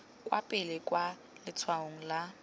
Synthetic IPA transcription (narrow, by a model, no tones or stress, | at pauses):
kʼwa̰pʼɪlɪkʼwa | lɪt͡sʰwaoŋ̩la